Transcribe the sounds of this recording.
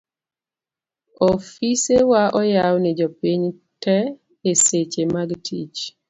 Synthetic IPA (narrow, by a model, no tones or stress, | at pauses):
ɔfisewaʔɔjawnɛd͡ʒɔpiɲ | tɛ | eset͡ʃemaɡtʰḭt͡ʃ